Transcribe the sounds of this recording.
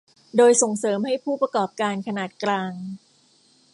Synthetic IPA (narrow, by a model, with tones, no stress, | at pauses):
doː˧jso˨˩ŋsɤː˩˦mha˥˩jpʰuː˥˩pɾa˧kɔː˨˩p̚kaː˧nkʰa˧naː˨˩t̪̚klaː˧ŋ